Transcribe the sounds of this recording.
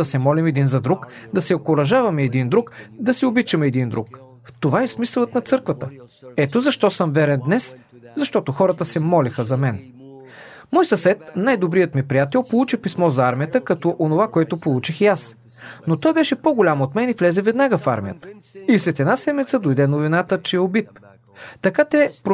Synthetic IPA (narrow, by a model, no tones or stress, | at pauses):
ɐsɛmɔlimɛd̪inzɐd̪ɾukd̪ɐsɛokʊɾɐʒavɐmɛɛd̪ind̪ɾukd̪ɐsiobit͡ʃəmɛd̪ind̪ɾuk | ft̪ovaɛsmisəlˠət̪nɐt̪sɤɾkvət̪ə | ɛt̪ozɐʃt̪ɔsəmvɛɾɛnd̪nɛs | zɐʃt̪ɔt̪oxɔɾət̪əsɛmɔlixəzɐmɛn | mɔjsɐsɛt̪najd̪obɾijət̪mipɾijat̪ɛlˠpolˠut͡ʃipismɔzɐaɾmijət̪əkɐt̪ɔʔonovakoɛt̪ʊpolˠut͡ʃixias | not̪ɔjbɛʃɛpoɡolʲamot̪mɛniflɛzɛvɛd̪naɡəfa̰ɾmḭjə̰t̪ə̥islɛt̪ɛd̪nasɛd̪mit̪səd̪ojd̪ɛnovinat̪ət͡ʃɛɛobit̪ː | ɐkat̪ɛp